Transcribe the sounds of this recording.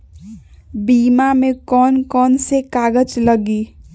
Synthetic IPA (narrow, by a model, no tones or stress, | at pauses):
biːmamẽkɔːnkɔːnsekaːɡət͡ʃləɡiː